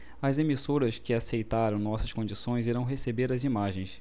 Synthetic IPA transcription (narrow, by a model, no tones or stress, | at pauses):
ɐzemisoɾɐskɪasejt̪aɾɐ̃w̃nɔsɐskõd͡ʒisõj̃ziɾɐ̃w̃ɦesebeɾɐzimaʒẽj̃s